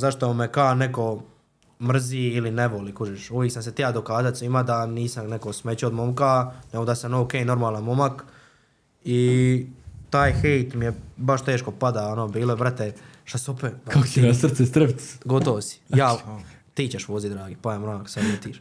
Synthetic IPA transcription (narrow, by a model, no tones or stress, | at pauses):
zaʃt̪oumekaːneko̞ | mr̩ziːilineʋoliːkuʒiʃuʋjeksamset̪ijad̪o̞kaːzat̪ʲsʋiːmad̪aniːsamnekosmet͡ɕuod̪momkaneɡod̪asanowkeːjnoɾmaːlˠanmomak | i | t̪aːjxejt̪mijebaʃt̪eːʃko̞pad̪aonoːbiːloibɾat̪eʃasopekako̥eɡasr̩t̪sest̪ɾept̪ɡot̪oʋosi̥jaː | t̪iːt͡ɕeʃʋoːzid̪ɾaːɡipaemɾomaksad̪met̪iːʃ